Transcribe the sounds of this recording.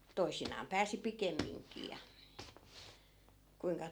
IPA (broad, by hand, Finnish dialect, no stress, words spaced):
toisinɑːm pæːsi pikemːiŋkiː jɑ kuiŋkɑ